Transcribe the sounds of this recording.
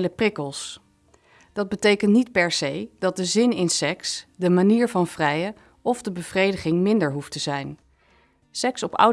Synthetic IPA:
ləprɪkəlˠs | d̥ɑd̚bətejkəntnitpɛɹsejd̥ɑt̚dəzɪnɪnsɛksdəmaniːɹvɑnv̥rɛjə | ɔvdəbəv̥rejdəχɪŋmɪndəɹɦuftəzɛjn | sɛksɔpʌ̰w

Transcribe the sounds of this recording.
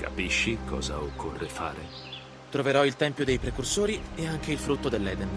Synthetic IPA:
ka̰piʃːikʰɔ̰ːza̰okʰːorːefa̰ːɾe | t̪ɾoveɾɔilt̪ɛmpjod̪ejpɾekursoːɾieaŋk̟eilfɾut̪ːod̪elːɛːd̪en

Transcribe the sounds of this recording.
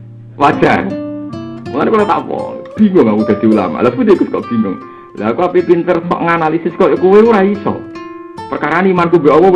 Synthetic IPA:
wad̥ʒ̥a̰r | muŋanikulot̪a̰ʔpɔ̰lb̥i̤ŋʊŋakub̥a̤d̪̥i̤ula̰ma̰lahfud̪ekəskɔʔb̥i̤ŋʊŋ | laɦkuapipint̪ərsɔ̰ʔŋanalisɪskɔjɔkuweuɾaisɔ̰ | pərkaɾanimankubɛʔɔwɔ

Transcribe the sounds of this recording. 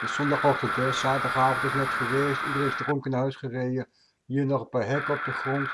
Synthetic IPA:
əsɔndɑχɔχtəkɛsaːtdɑχaːfəntɪsnɛtχəʋejstidəreftərɔŋkənɦœɥsχərejə | ɦiːɹnɔχəpaːɹɦɛkɔp̚dəχrɔnt

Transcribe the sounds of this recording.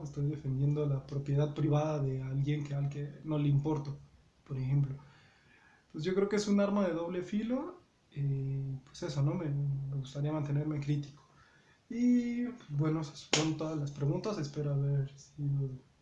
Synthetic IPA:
est̪o̞jðe̞fe̞nd̪je̞nd̪o̞lapɾo̞pjeðaðpɾiβ̞aðaðealɣje̞ŋkealɡeno̞leimpo̞ɾt̪o | poɾexe̞mplo̞ | wesʝokɾeokeesunaɾmaðe̞ðo̞β̞le̞filo | epwese̞sono̞me̞me̞ɣust̪aɾiamãnt̪e̞ne̞ɾmekɾit̪i̥ko̥ | ipwezbwe̞nosasont̪oðazlaspɾeɣunt̪ase̞spe̞ɾoaβe̞ɾsiðoð

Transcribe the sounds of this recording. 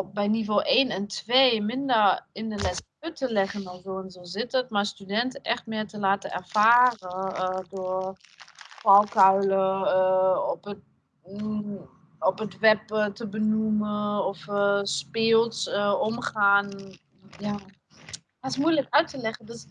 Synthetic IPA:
bɛjnivolʔeːnɛntʋeːmɪndəɹɪndəlɛsœɥtəlɛɣənɔlzoːɛnzoːzɪtətmaɹstydɛntəʔɛχtmɪːɹtəlaːtənɛ̰ɹv̥aːrədʊɹ | fɔlˠkœɥlə | ɔpə | ɔpətʋɛptəbənuməɔfspɪːlˠsəɔmχaːn | jaː | asmujləkœɥtəlɛχəndøs

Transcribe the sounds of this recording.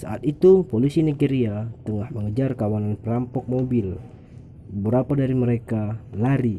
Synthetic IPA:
sa̰at̪it̪upolisiniɡeɾiat̪əŋahməŋəd͡ʒarkawananpəɾampɔk̚mobil | əbəɾapadaɾiməɾekalaɾi

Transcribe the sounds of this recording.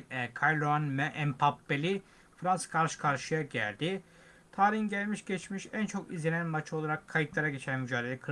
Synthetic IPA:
kʰajlˠoanmɛʔɛmpʰapːelʲi | fɾanskʰaɾʃɯ̥kʰaɾʃɯjaɟæ̰lʲd̪i | t̪ʰaːɾinɟælʲmiʃɟɛt͡ʃmiʃænt͡ʃʰo̞kizlʲenænmat͡ʃʰo̞lˠaɾakʰːajɯt̪lˠaɾaɟet͡ʃʰænmyd͡ʒaːd̪elʲɛkʰɯ

